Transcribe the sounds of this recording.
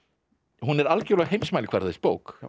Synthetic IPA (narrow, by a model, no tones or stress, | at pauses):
hunɛɾalcoːɾlɛɣhejmsmajlɪkʰvɛɾθespoːwk